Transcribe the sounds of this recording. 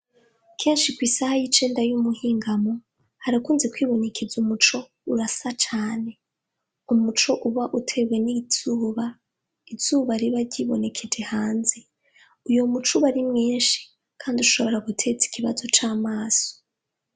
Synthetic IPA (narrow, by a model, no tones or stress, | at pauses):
kʰe̞ːnʃikwiːsahajit͡ʃe̞ːndajumuhiːŋɡamo̞ | haɾakuːnzekwiːβo̞ne̞kʰezumut͡ʃo̞ | uɾasat͡ʃaːne̞ | umut͡ʃo̞ʔuβaʔutʰe̞ɡwe̞niz̥uːβa | iz̥uːβaɾiβaɾɟiːβo̞̰ne̞kʰed͡ʒe̞haːnzi | ujo̞mut͡ʃuβaɾimŋiːnʃi̥ | kʰaːndiuʃo̞βo̞ɾaɡutʰe̞t͡si̥kʰiβazo̞t͡ʃaːmaːz̥o̥